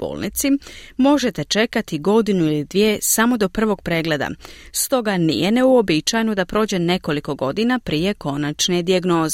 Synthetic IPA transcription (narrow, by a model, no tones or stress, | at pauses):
b̥o̰ːlnḭt̪simo̞ʒe̞t̪e̞t͡ʃe̞kat̪iɡo̞d̪inuilid̪ʋjesamo̞d̪o̞pr̩ʋo̞ɡ̚pɾe̞ːɡle̞d̪a̰st̪o̞ɡanḭjene̞uobit͡ʃajnod̪apɾo̞ːd͡ʑe̞ne̞ko̞liko̞ɡo̞d̪inapɾiːje̞ko̞nat͡ʃne̞d̪iaɡno̞ːze